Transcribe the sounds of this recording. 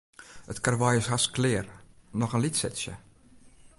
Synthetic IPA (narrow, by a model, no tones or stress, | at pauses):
ətkarʋɔjɪsɦasklɪːərnɔxənlitsɛtsjə̰